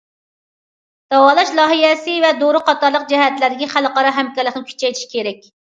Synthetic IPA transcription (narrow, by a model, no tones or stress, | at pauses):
d̪̥ɑwɑːlˠɑʃlˠɑɦijɛsɨvɛd̪oɾʊqʰɑt̪ɑɾlˠəqd͡ʒɛɦɛt̪læɾd̪ɪkʲiχælqɑɾɑɦɛmkʲɛlːəqnɪkʲʰy̥t͡ʃʰɛjt̪ʰi̥ʃkʲʰeɾɛk̚ʲ